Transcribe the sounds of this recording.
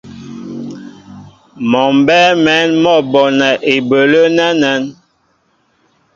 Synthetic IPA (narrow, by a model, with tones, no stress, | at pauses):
mɔ˨m˨bɛ˦mɛ˨˦nmɔ˦˨bɔ˨nɛ˨ʔe˨bə˨lə˦nɛ˦nɛ˦n